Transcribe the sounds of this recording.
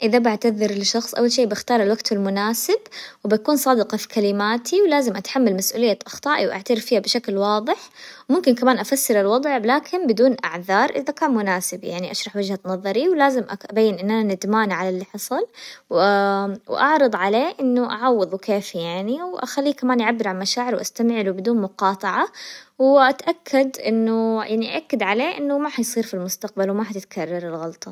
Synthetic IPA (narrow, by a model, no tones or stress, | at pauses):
ʔɪðabaʕt̪aðɪɾlɪʃɑxsˤʔa̰wːalʃeːbɪxt̪ɑːɾˤalwaɡt̪ɪlmʊnaːsɪbwbɪakuːnsˤɑːd̪ɪqɑfi̥kalɪmaːt̪ʰiwlaːzɪmʔat̪ħamːalmasʔuːlɪjːaʔɑxt̪ˤɑːʔiwʔa̰ʕt̪aɾɪffiːhabɪʃaklwɑːðˤɨħmʊmkɪnkamaːnʔafasːɪɾɪlwɑd̪ˤʕlaːkʰɪnbɪd̪uːnʔaʕðɑːɾˤʔɪðakaːnmʊnaːsɪbja̰ʕniʔaʃɾˤɑħwɪd͡ʒhanɑðˤɑɾiwlaːzɪmʔaʔabajːɪnʔɪnːʔananɪd̪maːnʕalalːiːħɑsˤɑlw | wʔɑʕɾˤɑd̪ˤʕaleːʔɪnːʊʔa̰ʕɑwːɑðˤwkeːfjaʕniwʔa̰xalːiːkamaːnʔaʕabːɪɾʕalmaʃaːʕɪɾwʔast̪amʕlubɪd̪uːnmʊqɑːt̪ˤɑʕawʔat̪ʔakʰːad̪ʔɪnːʊjʔaʕniʔa̰ʔakːad̪ʕaleːʔɪnːʊmaħajsˤiːɾfilmʊst̪aq̚balwmaħat̪ɪt̪kʰarˤːɑɾˤɪlɣɑlt̪ˤɑ